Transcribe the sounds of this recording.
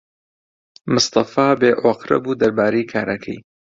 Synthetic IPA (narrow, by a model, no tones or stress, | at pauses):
mʊst̪ɑfaːbeːʔaqɾɐ̰buːd̪ɐɾbaːɾejikʰaːɾʔɐkʰɐ̰j